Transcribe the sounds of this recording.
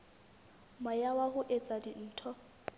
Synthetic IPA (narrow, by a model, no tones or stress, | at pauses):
majawahʊʔet͡sʼadin̩ːtʰɔ